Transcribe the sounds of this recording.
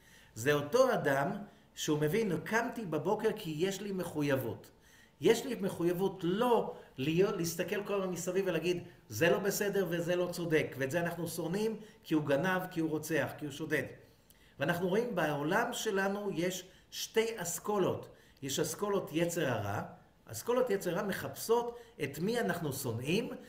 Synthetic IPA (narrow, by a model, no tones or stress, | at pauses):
zeo̞to̞adam | ʃeume̞vinkamtibabo̞ke̞ʁkʰije̞ʃlime̞χujavut | jeʃlimeχujavutlo̞lijo̞tleist̪ake̞lkolamamisaviveleaɡid̪ze̞lo̞be̞se̞de̞ʁveze̞lo̞t͡so̞de̞kveːtzeanaχnuso̞nimkiuɡanavkiuʁo̞t͡se̞aχkiuʃo̞de̞t | veanaχnuʁo̞imbaolamʃe̞lanuje̞ʃ | ʃte̞jaskolo̞t | jeʃasko̞lo̞tje̞t͡se̞ʁaʁa̰ | ʔa̰sko̞lo̞tjet͡seʁaʁame̞χapso̞te̞t̪mianaχnuso̞nim